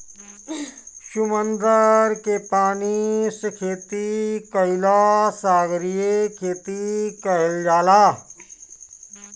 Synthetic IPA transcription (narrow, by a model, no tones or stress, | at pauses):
ʃʊmə̃nd̪əɾkepaːnisəkʰeːt̪ikəɪlasaːɡɾijekʰeːt̪ikəld͡ʒaːlaː